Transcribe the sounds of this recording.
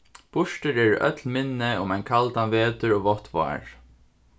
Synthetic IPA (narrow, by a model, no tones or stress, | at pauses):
b̥ʊʂʈəɾɛːɹœ̰t̪lmɪnːɪʊmajnkʰalt̪anʋeːt̪əɹoːvɔht̪va̰ːɹ